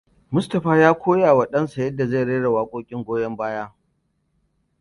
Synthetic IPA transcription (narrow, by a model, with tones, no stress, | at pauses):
mʊ˦stɐ˨ɸaː˦jaː˦kʷoː˦jaː˨wɐ˨ɗɐ˦nsa˨jɐ˦dːa˨za˦˨ɽe˦ɽɐ˨waː˦kʷʼoː˦kʲʼɪ˦ŋɡʷoː˦jɐ˦mbaː˦jaː˦